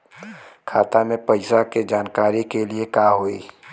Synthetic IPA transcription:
kʰaːt̪amẽpɐɪsaked͡ʒaːnkaːɾikeliekaːɦoḭː

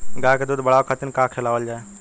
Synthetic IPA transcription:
ɡãjked̪uːd̪bəɽawkʰat̪inkãkʰelaːʋəld͡ʒaːe

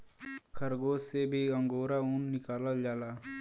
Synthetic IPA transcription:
kʰəɾɡoːsebʱiə̃ŋɡoːɾaʊnːɪkaːləld͡ʒaːlaː

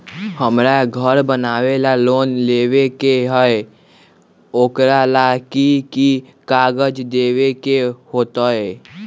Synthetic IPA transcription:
həmɾaɡʱəɾbənaːwelaloːnleːwekeɦəe | oːkɾalaːkiki | kaːɡəd͡ʒd̪eːwekehoːt̪aɛː

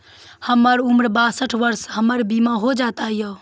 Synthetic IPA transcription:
həməɾumɾbasəʈʰʋəɾsɦəməɾbimaɦod͡ʒat̪ajə

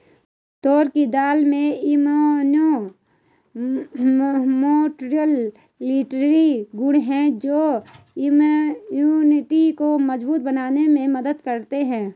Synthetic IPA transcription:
t̪ɔːɾkid̪aːlmẽɪmono | moːʈɾijəlː | iːʈɾɾiɡʊɽɦɛ̃d͡ʒoː | ɪmjuːnɪʈikoməzbuːt̪̚bənaːnemẽmɐd̪əd̪kəɾt̪eɦɛ̃ː

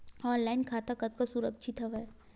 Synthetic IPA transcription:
ɔːnlaːɪnkʰaːt̪akɐt̪̚kasʊɾəkʃʰɪt̪ɦɐʋɛ

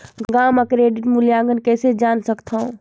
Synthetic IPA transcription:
ɡaməkɾeɖiʈmuljaɡənkɛːsed͡ʒansəkt̪ʰaũ

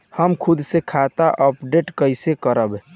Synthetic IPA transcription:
həmkʰud̪sekʰat̪aʔəpɖeʈkəjsekəɾəbɛ

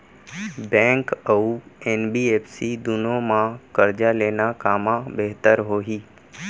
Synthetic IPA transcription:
bɛ̃ːŋkəueːnbiːeːpsid̪ʊnõmãkəɾd͡ʒaleːnakaːmãbeɦt̪əɾɦoːɦiː

